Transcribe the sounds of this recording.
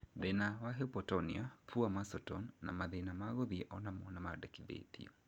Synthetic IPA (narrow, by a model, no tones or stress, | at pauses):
ðenawaɦepɔtɔnḭapʰuamasɔtɔnːa̰maðenamaɣoðiʔɔnamonamadɛkiðḛtḭɔ